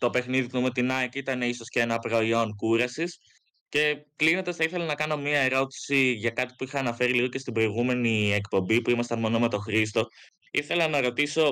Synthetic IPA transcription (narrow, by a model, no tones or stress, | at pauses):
t̪o̞pe̞xniðit̪umt̪inɐekit̪ɐne̞iso̞sceenɐpɾo̞io̞nkuɾɐsis | ce̞klinond̪ɐsθɐiθe̞lɐnɐkɐno̞mɲiɐe̞ɾo̞t̪i̥siʝɐkɐt̪i̥puixɐːnɐfe̞ɾiliɣo̞cest̪ibɾo̞iɣume̞nie̞kpo̞mbipuimɐst̪ɐmo̞no̞me̞t̪o̞xɾist̪o̞ | ḭθe̞lɐnɐɾo̞t̪iso̞